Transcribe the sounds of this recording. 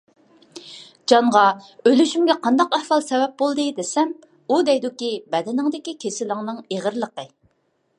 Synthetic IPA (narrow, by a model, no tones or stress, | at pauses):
d͡ʒɑɴʁɑølyʃymɡʲɛqʰɑnd̪ɑqæhfɑlˠsɛwɛp̚bolˠd̪ɨd̪esɛm | ud̪ɛjd̪ukʲibɛd̪ɪnɪŋd̪ɪkʲikʲʰesɪlɪŋnɨŋeʁəɾlˠəqə